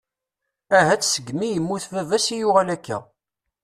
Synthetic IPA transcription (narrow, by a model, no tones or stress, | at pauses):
æɦæt͡sːsəɡmijəmːuθvævæsijʊʁælækːæ̰